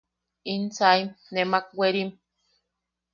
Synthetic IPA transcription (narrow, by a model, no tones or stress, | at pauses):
int͡saimnemak̚weɾim